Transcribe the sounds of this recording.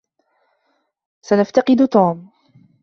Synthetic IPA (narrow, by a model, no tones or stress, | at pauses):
sanaft̪ɑqɨd̪ʊt̪uːm